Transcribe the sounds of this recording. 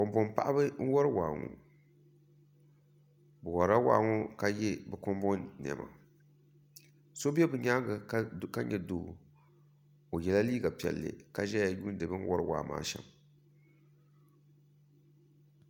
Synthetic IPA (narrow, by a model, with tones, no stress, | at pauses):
kɔ˨mbɔ˦mpa̰˦ʔa˦bɨ˦ŋ̩˦wɔ˦ɾɨ˦waː˨ŋṵ˨ | bɨ˨wɔ˨ɾa˦waː˨ŋo˦ka˦jɛ˦bɛ˨kɔ˦mbɔ˦nn˨ɛ̰˨ma̰˨ | so˦bɛ˦bɨ˨ɲa˦ɡɨ˨˦˨ka˦ɲɛ˨doː˨ | o˨jɛ˨la˦liː˦ɡa˨pi˨ɛ̰˨lːɨ̰˨ka˦ʒɛ˦ja˨ju˦n˦dɨ˨bɨ˦ŋ̩˦wɔ˦ɾɨ˦wa̰ː˨ma̰ː˨ʃɛ˨m